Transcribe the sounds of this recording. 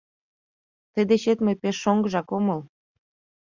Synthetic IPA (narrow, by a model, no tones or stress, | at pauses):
t̪ə̆d̪eɕet̪məjpeʃːoŋɡəʒɑkomɤl